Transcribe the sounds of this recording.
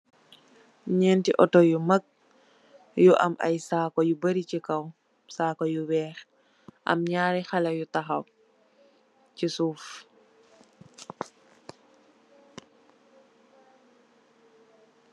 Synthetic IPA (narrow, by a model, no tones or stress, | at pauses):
ɲɛːntiʔɔtɔjumɐk̚ | juʔɐ̰mʔɐ̰jsaːkɔjubəɾicikɐw | saːkɔjuwɛːɾ | ʔɐ̰mɲaːɾɛxɐlɐjutaxɐw | cisuːf